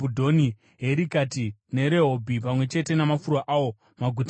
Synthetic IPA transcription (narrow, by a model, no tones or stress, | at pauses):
udʱo̞ni | ɦe̞ɾikatine̞ɾe̞ɦobʱipamwe̞t͡ʃe̞te̞namafurwaʔaːwo̞ | maɡʱut